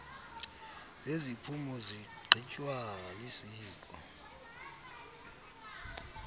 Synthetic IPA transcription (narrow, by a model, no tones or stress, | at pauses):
zezipʰumɔziɡ͡ǃʱicʼwalisiːkʼɔ̰